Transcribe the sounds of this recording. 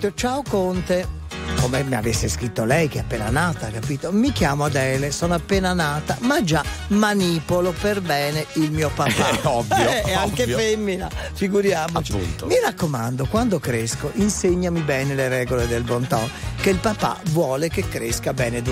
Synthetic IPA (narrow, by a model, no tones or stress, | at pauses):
t̪ot͡ʃaokont̪e | komemia̰vesːeskɾit̪ːolɛjk̟eɛapːeːna̰naːt̪akapiːt̪omik̟jaːmoad̪ɛːlesɔːnoapːeːnanaːt̪amad͡ʒa | manipoloperbɛːneilmiːopapaɔvɛɛaŋkeffɛmːinafiɡuɾjaːmot͡ʃipːṵnt̪omirakːomand̪okwand̪okɾeskoʔinseɲːamibɛːneleɾɛːɡoled̪elbont̪ɔ̰nkeilpapa̰vwɔːlekekːɾeskabɛːned̪